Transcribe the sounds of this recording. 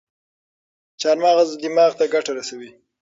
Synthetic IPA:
t͡ʃɑɾmɑɣazd̪ɪmɑɣt̪aɡaʈaɾasawi

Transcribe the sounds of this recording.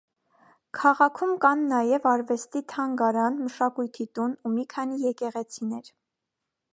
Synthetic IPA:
kʰɑʁɑkʰumkɑnːɑjɛvɑɾvɛst̪it̪ʰɑŋɡɑɾɑnməʃɑkujt̪ʰit̪unumikʰɑnijɛkɛʁɛt͡sʰinɛɾ

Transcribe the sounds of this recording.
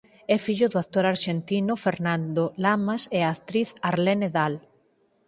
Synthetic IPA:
ɛfiʎʊðʊak̚t̪oɾaɾʃent̪inofeɾnãnd̪olamaseaːkt̪ɾiθaɾleneðal

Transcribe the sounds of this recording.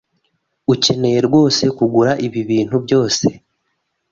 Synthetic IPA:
uce̞ne̞je̞ɾɡwo̞ːse̞kuɡuɾaʔiβiβiːn̥hubjo̞ːse̞̥

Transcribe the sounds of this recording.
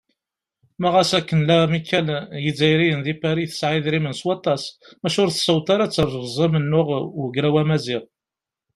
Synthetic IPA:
mæʁæsækːənlæmikʰːæljid͡zæjɾijənðipæɾiθə̥sʕɪðɾimənswɑt̪ˤːɑsmæʃʊɾθə̥səwt̪ɑɾat͡sːəɾˤzʁzˤɑmənːʊʁwəɡɾæwæmæzɪʁ

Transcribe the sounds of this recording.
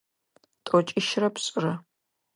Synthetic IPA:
tʼɔt͡ʃʼiʃrɐpʰɕʼɪrɐ

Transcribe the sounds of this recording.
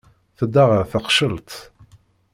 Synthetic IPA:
θəd̪ːaʁəθəqʃəlt̪

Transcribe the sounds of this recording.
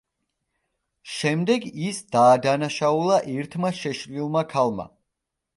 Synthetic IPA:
ʃɛmd̪ɛɡisd̪̥aːd̪anaʃaulˠaʔiɾt̪ʰmaʃɛʃlilˠmakʰalˠma̰

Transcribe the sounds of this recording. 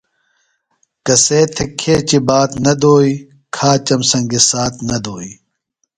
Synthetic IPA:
kɐseːt̪ʰekʰːeːt͡ɕibaːt̪nɐd̪oːi | kʰaːt͡ɕɐmsɐŋɡesaːt̪nɐd̪oːi

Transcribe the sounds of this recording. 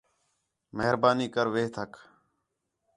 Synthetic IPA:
məɦɾbaːniːkəɾʋeːt̪ʰək

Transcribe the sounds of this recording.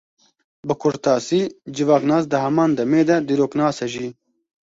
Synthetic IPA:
bɨkʰʊɾt̪ɑːsiːd͡ʒɪvɑːknaːs̬d̪ɨɦɐmɑːnd̪ɐmeːd̪ɐd̪iːɾoːknaːsɐʒiː

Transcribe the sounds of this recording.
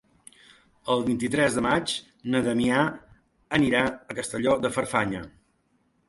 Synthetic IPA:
əlˠβint̪it̪ɾɛzðəmat͡ʃ | nəðəmia | əniɾaəkəst̪əʎɔðəfəɾfaɲə

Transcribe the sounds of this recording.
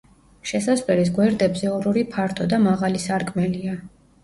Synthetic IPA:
ʃɛsasvɛɾis̬ɡwɛɾd̪ɛbzɛɔɾuɾipʰaɾt̪ʰɔd̪amaʁalisaɾkʼmɛlia

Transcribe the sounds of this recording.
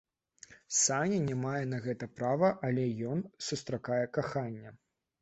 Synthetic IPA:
sanʲɐnʲɛmajɛn̪ɐɣɛt̪ɐpɾavɐʔɐlʲɛjɔnsust̪ɾakajɛkaxanʲːɐ

